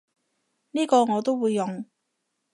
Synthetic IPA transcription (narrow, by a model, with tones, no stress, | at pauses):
niː˥kɔː˧ŋɔː˨˧t̪o˥wuː˨˧jːʊ˨ŋ